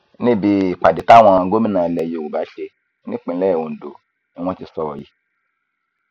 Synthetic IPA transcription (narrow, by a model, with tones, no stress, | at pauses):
nĩ˦˨bi˧˨k͡pa˨di˨ta˦w̃ɔ̃˧˨˧ɡo˦mĩ˦nãː˨lɛ˨je˨wo˨ba˨˦ʃe˧˦ | nĩ˦k͡pĩ˨˦lɛ˦ɛ˨wo˨n̩˨do˨ | ĩ˦w̃ɔ̃˦ti˧sɔ˨wɔ˨ji˨˦